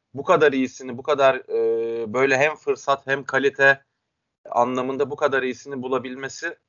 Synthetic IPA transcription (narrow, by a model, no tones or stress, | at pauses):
bukad̪aɾijisinibukad̪aɾɯbø̞jlʲɛɦæmfɯɾsat̪hæmkʰalʲit̪ʰɛ | a̰nlˠamɯnd̪abukad̪aɾijisinibulˠabilʲme̞sɪ